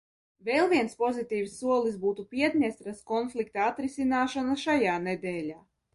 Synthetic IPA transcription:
vɛːlˠviɛnspɔzit̪iːvsːuɔlˠisbuːt̪upʲiɛt̪ʲɲʲɛst̪ɾaskɔnflˠik̚t̪aat̪ɾisʲinaːʃanaʃajaːned̪ɛːlʲaː

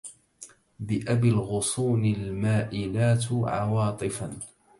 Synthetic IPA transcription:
bɪʔabɪlɣʊsˤuːnɪlmaːʔɪlaːt̪ʕɑ̰wɑːt̪ˤɨfan

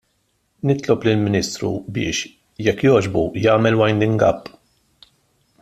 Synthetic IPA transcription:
nɪt̪lɔplɪlmɪniːst̪ɾṵbɪ̰ːʃ | jɛkːjɔːd͡ʒbujɐːmɛlwɐjnd̪ɪŋɡɐ̰pː

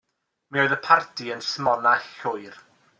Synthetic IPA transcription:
mioɨðəpʰartʰiənsmɔnaɬʊɨr

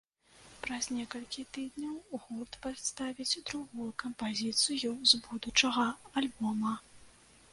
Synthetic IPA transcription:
pɾɐznʲɛkɐlʲkʲit̪ɨd̪nʲɐwɣɔrt̪pat̪st̪avʲid͡zʲd̪ɾuɣujukɐmpazʲit̪sɨjuzbud̪ut͡ʂɐɣɐalʲbɔmɐ

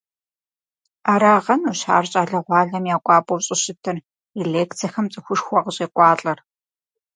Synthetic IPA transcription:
aːɾaːʁɐnuɕa̰ːrɕʼaːɮɐʁʷɑːɮɐmjaːkʷʼɑːpʼowɕʼɪɕɪtʰɨr | eleːkt͡sʰɐxɐmt͡sʼɨxʷʊʂxʷɔʁɕʼeːkʷʼɑːɬʼɐr

